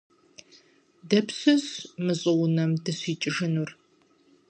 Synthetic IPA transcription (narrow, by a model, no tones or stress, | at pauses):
dɐpsɨzmɨɕʼɨwʊnɐmdɨɕʷiːt͡ʃʼɪʒɨnur